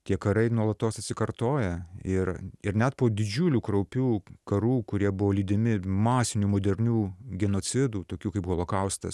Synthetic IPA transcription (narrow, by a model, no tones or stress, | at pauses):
t̪ʲiɛkɐɾɐɪnuɔlˠɐt̪oːsɐt̪ʲsʲɪkɐrt̪oːjɛɪɾɪɾnʲɛt̪poːd̪ʲɪd͡ʒʲuːlʲuːkɾɐʊpʲuːkɐɾuːkʊɾʲiɛbʊʋoːlʲiːd̪ʲɪmʲɪmɑːsʲɪnʲuːmoːd̪ʲɛɾʲnʲuːɡʲɛnoːt͡s̪ʲɪd̪uːt̪oːkʲuːkɐɪpɣolˠoːkɐʊst̪ɐ̰s